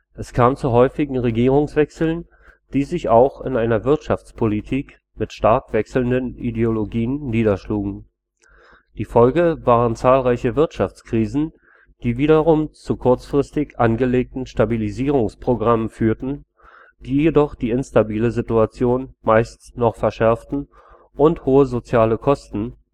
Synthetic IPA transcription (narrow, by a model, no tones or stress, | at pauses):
ʔɛskʰaːmt͡suɦɔʏfɪɡŋ̩ʁeɡiːʁʊŋsv̥ɛksl̩n | d̥iːzɪçaʊxɪ̰naɪnɐvɪɐtʃaft͡spʰolitʰiːk | mɪtʃtaɐkv̥ɛksl̩ndənʔideoloɡiːənːiːdɐʃluːɡŋ̩ | d̥iːfɔlɡəvaːʁənt͡saːlʁaɪçəvɪɐtʃaft͡skʁ̥iːzn̩ | d̥iːviːɾɐʁʊmt͡sukʰʊɐt͡sfʁ̥ɪstɪçʔanɡəleːk̚tn̩ʃtabiliziːʁ̞ʊŋspʁ̥oɡʁaməfyːɐtn̩ | d̥iːjedɔχd̥iːɪnstabiːləzituat͡sjoːnmaɪstnɔχfɛɐʃɛɐftn̩ | ʔʊnthoːəzot͡sjaːləkʰɔstn̩